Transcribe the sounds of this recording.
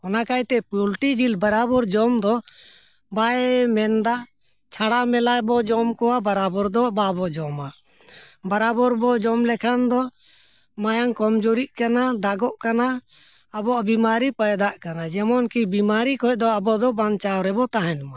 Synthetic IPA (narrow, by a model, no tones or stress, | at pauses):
ɔnakajt̪ɛpulʈid͡ʒilbaɾabɔɾd͡ʒɔmd̪ɔ | bajmɛnd̪a | t͡ʃʰaɽamɛlajbɔd͡ʒɔmkɔwabaɾabɔɾd̪ɔbabɔd͡ʒɔma | baɾabɔɾbɔd͡ʒɔmlɛkʰand̪ɔ | majaŋkɔmd͡ʒoɾiʔ̚kanad̪aɡɔʔkana | abɔʔbimaɾipajd̪aʔkanad͡ʒɛmɔnkibimaɾikɔj̚ˀd̪ɔabɔd̪ɔbant͡ʃawɾɛbɔt̪aɦɛnma